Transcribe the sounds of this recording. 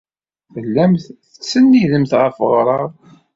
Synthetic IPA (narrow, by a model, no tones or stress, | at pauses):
θəlːæmθθəsənːiðəmθʁəfʁɾˤɑɾˤ